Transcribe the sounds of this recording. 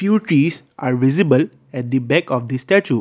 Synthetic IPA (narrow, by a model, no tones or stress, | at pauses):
fjuːʈɾiːz | aːɾʋɪzibəl | ɛʈ̚d̪ibɛkɔːfd̪isʈæt͡ʃuː